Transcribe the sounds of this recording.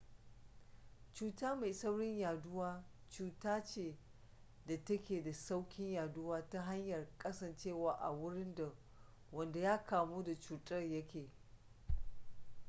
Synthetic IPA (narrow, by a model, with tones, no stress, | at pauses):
t͡ʃuː˨taː˦ma˨jsɐ˦wɽɪ˦ɲjaː˨dʊ˦waː˦ | t͡ʃuː˨taː˦t͡ʃeː˦˨ | da˨tɐ˦kʲeː˨da˨sa˦wkʲɪ˦ɲjaː˨dʊ˦waː˦ta˦ɦa˦ɲjɐ˨rkʼɐ˦sɐ˨nt͡ʃeː˦˨waː˨ʔa̰˨wʊ˦ɽɪ˦nda˨ | wɐ˨nda˨jaː˦kaː˨moː˦da˨t͡ʃuː˨tʼɐ˦rjɐ˦kʲeː˨